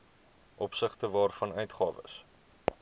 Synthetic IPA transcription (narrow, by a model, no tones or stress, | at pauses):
ʔɔpsəχtəvɑːrfɐnœɥtχɑːvə̰s